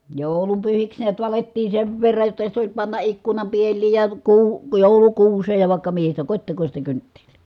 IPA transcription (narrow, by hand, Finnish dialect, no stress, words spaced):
joˑu̞lumpyhiks niæt ʋɑletːiː seʋ ʋerːɑj jotːɑ sit olʲ pɑnːɑ ʔikːunɑm pielˑiːj jɑ kuː joˑulukuːseːj jɑ ʋɑˑi̯kːɑ mihi sitæ kotʲtekosʲtɑ kyntːe̥l̥ːi̥